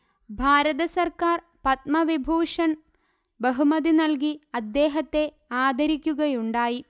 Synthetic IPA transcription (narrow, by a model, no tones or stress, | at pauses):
bʱaːɾɐðɐsɐrkaːr | pɐt̪mɐʋibʱuːʂɐn | bɐɦumɐðinɐlk̬iɐd̪ːe̞ːɦɐt̪ːe̞ | aːd̪ʱɐɾikʲːuɣɐjuɳɖaːji